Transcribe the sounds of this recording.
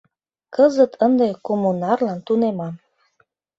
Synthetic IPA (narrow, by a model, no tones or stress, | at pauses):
kəzət̪ʰənd̪ekomunɑrlɑnt̪unemɑm